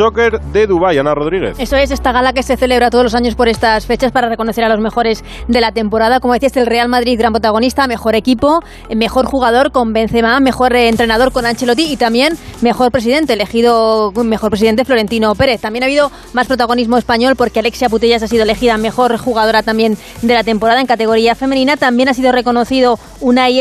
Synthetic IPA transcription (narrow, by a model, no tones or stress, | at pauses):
okeɾðeðuβajanaroðɾiɣḛθe̞soe̞s̬e̞st̪aɣalake̞se̞θe̞le̞βɾat̪oð̞lo̞saɲo̞spoɾe̞st̪asfe̞t͡ʃaspaɾare̞ko̞noθeɾalo̞zme̞xo̞ɾe̞z | d̪e̞lat̪e̞mpo̞ɾaðako̞mo̞ðe̞θiase̞lre̞almaðɾiðɣɾampɾot̪aɣ̞o̞nist̪ame̞xo̞ɾe̞kipo | me̞xo̞ɾxuɣ̞aðo̞ɾko̞mbe̞n̟θe̞mame̞xo̞ɾent̪ɾe̞naðo̞ɾko̞nant͡ʃe̞lo̞t̪iːt̪ambje̞nme̞xo̞ɾpɾe̞siðe̞nt̪e̞ːle̞xiðomexoɾpɾes̬iðent̪e̞flo̞ɾe̞nt̪ino̞pe̞ɾe̞θt̪amjenaβiðo̞ | maspɾo̞t̪aɣ̞o̞nizmoe̞spaɲo̞lpo̞ɾke̞ale̞ksjap̬ut̪eʝasas̬iðoe̞le̞xiðame̞xo̞ɾxuɣaðo̞ɾat̪ambje̞n | d̪e̞lat̪e̞mpo̞ɾaðaeŋkat̪e̞ɣ̞o̞ɾiafe̞me̞nĩnat̪ambje̞nasiðo̞re̞ko̞no̞θiðo̞ | una